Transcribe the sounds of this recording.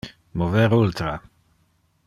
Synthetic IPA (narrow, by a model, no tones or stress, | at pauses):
moveɾult̪ɾa